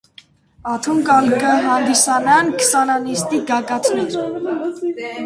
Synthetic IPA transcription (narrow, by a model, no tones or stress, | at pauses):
ɑt̪ʰuŋkɑlkəɦɑnd̪isɑnɑnkʰsɑnɑnist̪iɡɑɡɑt̪ʰnɛɾ